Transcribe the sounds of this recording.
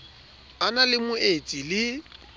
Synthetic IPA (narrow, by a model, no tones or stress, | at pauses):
analɪmʊet͡sʼilɪ